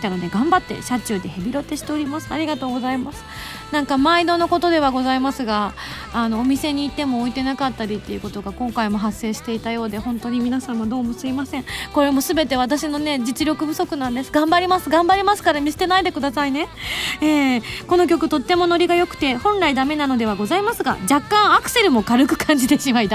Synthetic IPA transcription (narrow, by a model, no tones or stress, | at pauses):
t̪ːanod̪e̞ɡãmbat̪ːe̞̰ɕat͡ɕɨːd̪e̞hebʲiɾot̪ːe̞ɕi̥t̪e̞o̞ɾʲimasɨa̰ɾʲiɡat̪o̞ːɡo̞zaimasɨ̥ | nãŋkamaid̪o̞no̞ko̞t̪o̞d̪e̞β̞aɡo̞zaimasɨɡaː | no̞ːmʲise̞ɲ̟iːt̪ːe̞mo̞ːit̪e̞nakat̪ːaɾʲit̪ːe̞iɯ̟ko̞t̪o̞ɡakõ̞ŋkaimo̞ɦasːe̞ːɕi̥t̪e̞it̪ajo̞ːd̪e̞hõ̞nt̪o̞ɲ̟imʲinasãɰ̃βad̪o̞ːmosɨimasẽ̞ŋko̞ɾe̞mo̞sɨbe̞t̪e̞β̞at̪aɕino̞ne̞d͡ʑit͡sɨɾʲjo̞kɯ̟bɯ̟so̞kɯ̟nãnd̪e̞sɨ̥ɡãmbaɾʲimasɨɡãmbaɾʲimasɨ̥kaɾamʲise̥t̪e̞naid̪e̞kɯ̟d̪asaine̞eːko̞no̞kʲo̞kɯ̟t̪o̞t̪ːe̞mo̞no̞ɾʲiɡajo̞kɯ̟̥t̪e̞hõ̞nɾaid̪ame̞nano̞d̪e̞β̞aɡo̞zaimasɨɡa̰d͡ʑakːãɰ̃akɯ̟̥se̞ɾɯ̟mo̞kaɾɯ̟kɯ̟̥kʰãɲ̟d͡ʑid̪e̞ɕimaid̪a